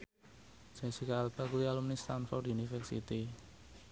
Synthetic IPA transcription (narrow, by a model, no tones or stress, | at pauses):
sɛŋsikaːlb̥akuialumnist̪anfɔrd̪iunifɛrsḭt̪i